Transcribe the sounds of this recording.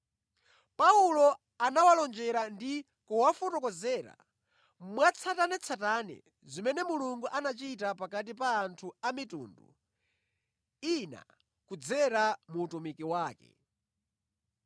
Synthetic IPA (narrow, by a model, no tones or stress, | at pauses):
paulɔ | anawalɔnd͡ʒɛɾandi | kɔwafɔtɔkɔzɛːɾa̰ | mwat͡sʰatanɛt͡sʰatanɛ̰ | zimɛnɛmuluŋɡuʔanat͡ʃitapakat̬ipaːntʰuamitṵːndṵ | ina̰ | kud͡zɛɾamuːtumikiwaːkɛ̰